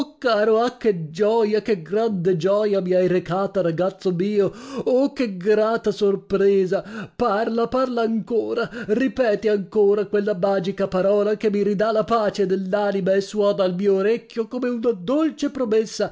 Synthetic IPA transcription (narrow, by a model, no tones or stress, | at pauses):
okːaːɾoak̟ːed͡ʒɔjakeɡɾand̪ed͡ʒɔːjamiajɾekaːt̪aɾaɡat̪sːomiːookːeɡɾaːt̪asorpɾɛːzaparlaparlaːŋkoːɾaripɛːt̪iaŋkoːɾakwelːamaːd͡ʒikapaɾɔːlakemːiɾid̪alapaːt͡ʃed̪elːaːnimaesːuɔːd̪aːlmiːoːɾekʲːjokomeunad̪olt͡ʃepɾomesːa